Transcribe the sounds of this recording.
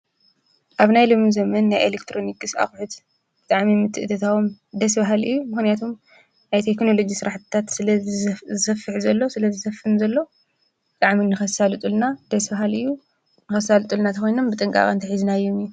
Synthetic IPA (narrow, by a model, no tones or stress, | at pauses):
ʔaβnajlomːuzɐmɐnːajʔelekt̪ʰɾo̞nikʼɨsa̰xħɨt̪ | b̥ɨt̪ʼaʕmimɨt̪ʰːɨʔɨt̪ʰɐt̪ʰawomd̪ɐs̬baɦalɨ̰jːumɨxnijat̪ʰom | najt̪ʰekno̞lo̞d͡ʒisɨɾaħt̪ɨt̪ʰat̪zzɨsɐfːɨħzɐlːo̞sɨlɐzɨsɐfɨnzɐlːo̞ | bɨt̪ʼaʕminɨxɐsalɨt̪ʼulnad̪̥ɐsbaɦalɨjːu | nɨxɐsalɨt̪ʼɨlnat̪ʰɐxo̞jno̞mbɨt̪ʼɨŋkʼa̰kʼɐ̰nt̪ʰɐħizɨnajːomɨjːu